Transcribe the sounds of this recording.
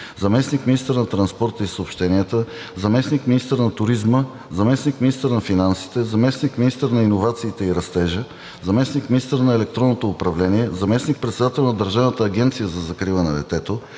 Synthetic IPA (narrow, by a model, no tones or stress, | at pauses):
zɐmɛsnikminist̪əɾnɐt̪ɾɐnspɔɾt̪əisəːpʃt̪ɛniət̪ə | zɐmɛsnikminist̪əɾnɐt̪ʊɾizmə | zɐmɛsnikminist̪əɾnɐfinansi̥t̪ɛzɐmɛsnikminist̪əɾnɐinovat̪siːt̪ɛiɾɐst̪ɛʒə | zɐmɛsnikminist̪əɾnɐɛlɛk̚t̪ɾɔnːot̪oːpɾɐvlɛniɛzɐmɛsnik̚pɾɛt̪sɛd̪at̪ɛlˠnɐd̪əɾʒavnət̪əːɡʲɛnt̪sijəzɐzɐkɾilˠənɛd̪ɛ̰t̪ɛt̪o